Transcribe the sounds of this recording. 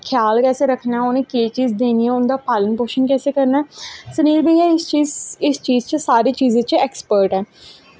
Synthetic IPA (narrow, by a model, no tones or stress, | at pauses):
kʰjaːlkɛːseːɾəkʰnaːʊnẽːkeːt͡ʃiːzd̪eːniːɛːʊnd̪aːpaːlənpoːʃənkɛːseːkəɾnaːsəniːlbeiɛːɪst͡ʃiːzɪst͡ʃiːzt͡ʃsaːɾeːt͡ʃiːzẽːt͡ʃɛːkspəɾʈɛː